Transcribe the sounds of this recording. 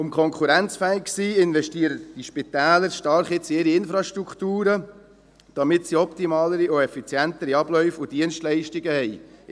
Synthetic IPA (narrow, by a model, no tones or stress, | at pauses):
ʊmkʰɔŋkχuɾænt͡sfɛːɪkksiːɪnvɛʃtiːəɾəd̥iʃpit̪ɛːləɾʃtɑɾχɪt͡siɪɾiɪnfɾɑʃtɾukχtuːɾə | d̥ɑmɪtsiɔpt̪imɑːləɾioɛfit͡sjænt̪əɾiɑb̥lœʏfʊd̥iənʃtlɛɪʃtiɡəhɛj